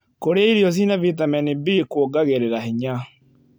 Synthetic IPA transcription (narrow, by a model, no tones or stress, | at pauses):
koɾeaiɾiɔs̬inavitamɛnibikwoɡaɣeɾeɾahiɲa